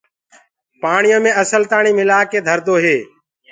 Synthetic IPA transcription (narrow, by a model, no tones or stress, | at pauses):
paːɳɪjõːmẽːəsəlt̪aːɳ̃iːmɪlaːkeːd̪ʱəɾd̪oːɦeː